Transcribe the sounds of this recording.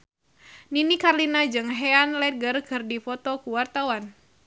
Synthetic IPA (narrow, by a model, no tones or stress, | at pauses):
ninikarlinad͡ʒɨŋɦɛanlɛt̪̚ɡərkʰɨrdifɔt̪ɔkuwart̪awan